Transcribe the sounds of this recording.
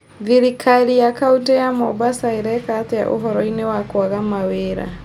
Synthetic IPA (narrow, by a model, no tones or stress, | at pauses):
viɾikʰalijakautɛjamɔbasaiɾɛkat̪ɛja̰ʔo̰ɦɔɾɔinɛwakwaɣamaweɾa̰